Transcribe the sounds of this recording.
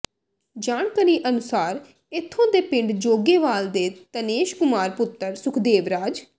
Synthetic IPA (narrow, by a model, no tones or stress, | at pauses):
d͡ʒaːɳkəɾiːʔənʊsaːɾ | ɪt̪ʰːõːd̪eːpɪ̃ɳɖd͡ʒoːɡeːʋaːld̪eːt̪əneːʃkʊmaːɾpʊt̪ːəɾsʊkʰd̪eːʋɾaːd͡ʒ